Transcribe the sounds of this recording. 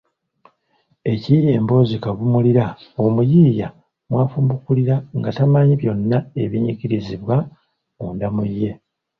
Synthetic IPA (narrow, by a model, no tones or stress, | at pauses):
e̞cijeːmbo̞ːzikaβumuliɾaomujiːja | mwaːfumbukuliɾaŋɡatamaɲiβjo̞nːae̞βiɲiciɾiziβwa | uːndamujːe̞